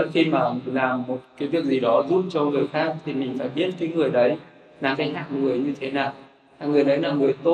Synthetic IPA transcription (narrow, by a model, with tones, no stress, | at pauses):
ə˦˥xi˧maː˨˩laː˨˩mːo˨˩t̚kaː˨˦jvi˨˩ək̚zi˨˩ɗɔ˨˦zu˦˥t̚t͡ɕɔ˧ŋɨ˨˩əjxaː˦˥k̚t̪ʰi˨˩mï˨˩ŋ̟faː˧˩jɓi˦˥ət̚kaː˨˦jŋɨ˨˩əjɗə˨˦j | laː˨˩mkaː˧˦jha̰ː˧˨ŋŋɨ˨˩əjɲɨ˧t̪ʰe˨˦naː˨˩w | aː˨˩ŋɨ˨˩əjɗə˨˦jlaː˨˩ŋɨ˨˩əjt̪o˧